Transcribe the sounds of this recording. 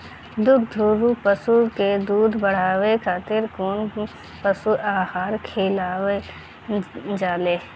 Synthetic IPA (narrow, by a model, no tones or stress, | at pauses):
d̪ud̪d̪ʱuːɾupəsuked̪uːd̪bəɽ̤aːwekʰaːt̪ɪɾkoːn | pəsuaːhaːɾkʰeːlaːʋe | d͡ʒaːleː